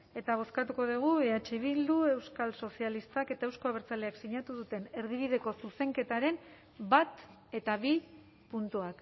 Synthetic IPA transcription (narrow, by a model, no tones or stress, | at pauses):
e̞t̪aβ̞o̞skat̪uko̞ðiɣ̞ueat͡ʃeβild̪ue̞wskalso̞sialist̪ake̞t̪aewsko̞aβ̞eɾt͡saleaksiɲat̪uðut̪e̞ne̞ɾðiβ̞ið̞e̞ko̞suse̞ŋke̞t̪aɾe̞n | bat̪ | e̞t̪aβi | punt̪uak